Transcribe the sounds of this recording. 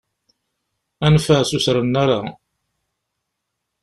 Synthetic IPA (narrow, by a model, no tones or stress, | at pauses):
ænfəsusɾənːaɾa